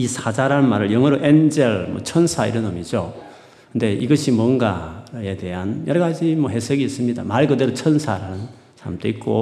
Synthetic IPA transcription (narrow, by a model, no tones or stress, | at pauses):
isʰad͡ʑaɾanmaɾɯɭjʌŋɦʌɾoʔend͡ʑeɭmʌ̰t͡ɕʰʌnsʰaḭɾʌnʌmid͡ʑo | kʰɯnde̞iɡʌɕʰimwʌnɡae̞de̞ɦanjʌɾʌɣad͡ʑimʌɦesʌɡiːs͈ɯmɲida̰maɭkɯdeɾot͡ɕʰʌnsʰaɾaɯn | sʰa̰mtʰoik̚k͈o